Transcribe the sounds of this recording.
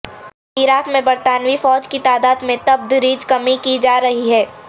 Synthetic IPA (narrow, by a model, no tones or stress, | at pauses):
ɪɾaːkmẽbɐɾt̪aːnʋifɔːd͡ʒkit̪aːd̪aːd̪mẽt̪ɐb̚d̪ɾiːd͡ʒkɐmikid͡ʒaːɾɐɦiɦɛː